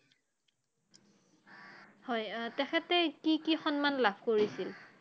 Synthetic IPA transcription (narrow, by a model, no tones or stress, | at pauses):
hɔjtɛxʰɛtɛkikixɔnmanlabʱkoɹisil